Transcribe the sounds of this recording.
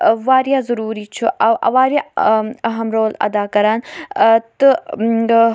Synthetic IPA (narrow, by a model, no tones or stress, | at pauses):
waːɾjazɐɾuːɾit͡ʃʰuʔawʔɐ̰waːɾjaɐɦɐmɾoːlɐ̰d̪aːkɐɾaːnt̪ə